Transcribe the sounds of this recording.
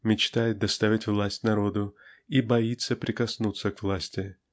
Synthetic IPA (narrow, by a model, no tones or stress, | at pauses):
mʲɪt͡ɕt̪ajɪt̪̚d̪ɐst̪avʲɪtʲvlˠasʲtʲnɐɾo̞d̪ʊibɐit̪səpɾʲɪkɐsnut̪səkvlˠasʲtʲɪ